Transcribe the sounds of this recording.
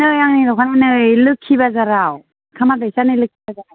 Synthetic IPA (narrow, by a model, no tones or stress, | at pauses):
nɯjaŋnidɔkʰananɯjlɯkʰːibazaɾaw | kʰamadɯjsanɯlɯkʰːibazaɾaw